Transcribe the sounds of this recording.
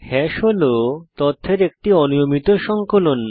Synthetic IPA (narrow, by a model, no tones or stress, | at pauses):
hɛʃolot̪ɔt̪ʰːeɾek̚ʈiɔnijomit̪oʃɔŋkolon